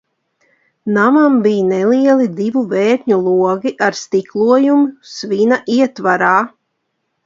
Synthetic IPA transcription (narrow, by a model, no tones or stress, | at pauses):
namambijnɛlˠiɛlˠid̪ivuvɛːɾɲulˠuɔɡiʔaɾst̪iklˠuɔjumusvinaʔiɛt̪vaɾaː